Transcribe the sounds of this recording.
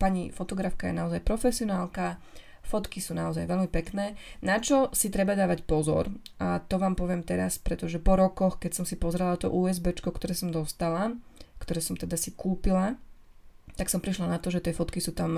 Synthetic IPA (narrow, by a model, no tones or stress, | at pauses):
paɲifɔt̪ɔɡɾafkajɛ̰naɔzajpɾɔfɛsiɔnaːlˠka | fɔt̪kisuːnaɔzajʋɛlmipɛknɛːnat͡ʃɔsit̪ɾɛbad̪aːʋacpɔzɔ̰ɾʔat̪ɔʋaːmpɔʋɪɛmt̪ɛɾa̰spɾɛt̪ɔʒɛpɔɾɔkɔxkɛcsɔmsipɔzɾɛlat̪ɔ̰ʔuːɛzbɛt͡ʃkɔkt̪ɔɾɛːsɔmd̪ɔst̪alakt̪ɔɾɛːsɔmt̪ɛd̪asikuːpila | t̪aksɔmpɾiʃlanat̪ɔʒɛt̪ɪɛfɔt̪kisuːt̪am